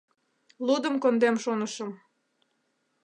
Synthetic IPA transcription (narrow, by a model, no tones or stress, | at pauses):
lud̪əmkond̪emʃonəʃəm